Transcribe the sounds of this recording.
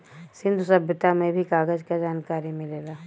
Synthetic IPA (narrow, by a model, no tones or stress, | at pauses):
sɪ̃nd̪ʱusɐbʱjət̪amẽbʱikaːɡəd͡ʒkad͡ʒaːnkaːɾimɪleːɡaː